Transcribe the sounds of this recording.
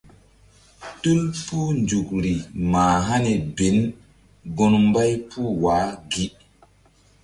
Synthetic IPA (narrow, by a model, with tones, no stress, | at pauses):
tu˦lpuː˦nd͡ʒu˨kɾi˨maː˨ɦa˦ne˨be˨˦n | ɡo˦nmba˦jpuː˦waː˨˦ɡi˦